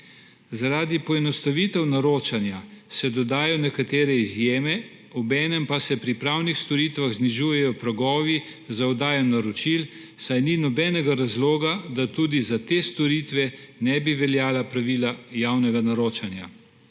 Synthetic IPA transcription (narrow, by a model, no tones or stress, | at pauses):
zaɾaːd̪ipɔɛnɔst̪aʋiːt̪ɛwnaɾoːt͡ʃanjasɛd̪ɔd̪aːjɔnɛkat̪eːɾɛizjeːmɛ | ɔbɛːnɛmpasɛpɾipɾaːwnixst̪ɔɾiːt̪ʋaɣzniʒuːjɛjɔpɾaɡɔːʋi | zaɔd̪aːjɔnaɾɔt͡ʃil | sajninɔbɛːnɛɡaɾazloːɡad̪at̪uːd̪izat̪eːst̪ɔɾiːt̪ʋɛnɛbiʋɛljaːlapɾaʋiːlajaːwnɛɡanaɾoːt͡ʃanja̰